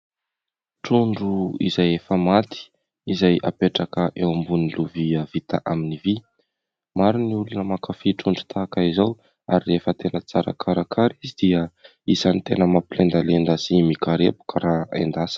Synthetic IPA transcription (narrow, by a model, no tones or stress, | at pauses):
ʈ͡ʂuɳɖ͡ʐuḭzajefəmat̪i̥ | izaja̰peʈ͡ʂakəʔewambuniluviəvit̪aʔaminivi | maɾiniulunəmakafiʈ͡ʂuɳɖ͡ʐu̥t̪ʰaːkaizaw | aɾirefət̪enət͡saɾa̰kʰaɾakʰaɾizid̪̥iə | izanit̪enəmapilend̪alend̪asimikaɾḛpu̥kaɾaḛnd̪asə̥